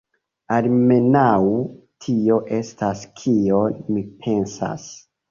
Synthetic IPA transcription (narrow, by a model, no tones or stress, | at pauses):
alme̞naw | tʰio̞ʔe̞staskʰio̞nmipʰe̞nsa̰s